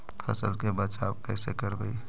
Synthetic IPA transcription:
pʰɐ̰səlkebət͡ʃaːbkɛːsekəɾbəi

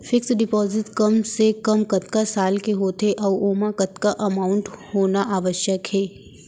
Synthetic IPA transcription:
fʰɪksɖɪpɔːzɪʈkɐmsekɐmkɐt̪kasaːlkeɦoːt̪eʔɔːʋoːmãkɐt̪kaʔɐmaːʊɳʈhoːnaʔaːʋəʃjəkɦɛː

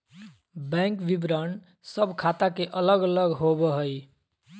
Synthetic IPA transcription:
bɛ̃ŋkʋibɾənɖ | səbʱkʰat̪akeʔələɡələɡɦobəɦəj

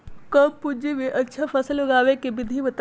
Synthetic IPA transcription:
kəmpud͡ʒiʋiʔətːʃʰapʰəsəlʊɡaːʋekebɪd̪ʱiʋət̪

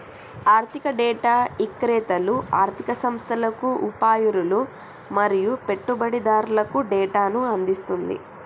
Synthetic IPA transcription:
aːɾt̪ʰikɐɖɛːʈaːikːɾɛːt̪ɐluaːɾt̪ʰikɐsɐmst̪ʰɐlɐkuʔupaːjuɾulu | mɐɾijupe̞ʈːubɐɽid̪aːɾulɐkuɖɛːʈaːnuɐnd̪ist̪und̪ḭ

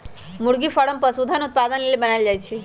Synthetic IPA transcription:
mʊɽɡifəɽəmpəsud̪ʱanut̪̚pad̪ənlelebənaid͡ʒajt͡ʃʰe

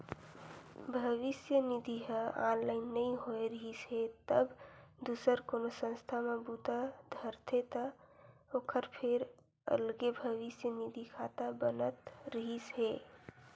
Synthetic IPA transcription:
bʱəʋisjənid̪ʱiɦəanlaɪnːəĩɦoeɾəɦisɦet̪əbd̪usəɾkonosə̃nst̪ʰamebut̪ad̪ʱəɾt̪ʰet̪ə | okʰəɾpʰeɾ | ə̰lɡebʱəʋisjənid̪ʱikʰat̪abənət̪ɾəɦisɦe

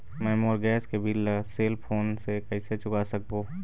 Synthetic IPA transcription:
mɛːmoːɾɡɛːskebʱɪlseːlpʰoːnsekɐɪset͡ʃʊkasɐk̚boː

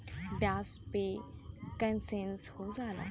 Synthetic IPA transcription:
bjaspekənsẽnshod͡zala̰

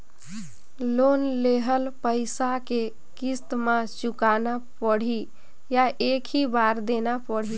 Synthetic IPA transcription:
lonleɦəlpəɪsake | kist̪mãt͡ʃukanapəɽ̤i | jaʔekʰibaɾd̪enapəɽ̤i

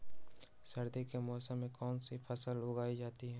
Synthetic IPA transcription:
sɐɾd̪ekemɔːsəmːẽkɔːnsipʰɐsəlːʊɡaːid͡ʒaːt̪iɦɛː

